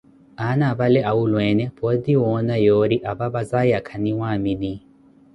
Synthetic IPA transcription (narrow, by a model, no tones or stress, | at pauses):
anaβalɛʔaulwɛnɛpɔd̪iwɔnajɔɾiʔaβaβazajakʰaniwamini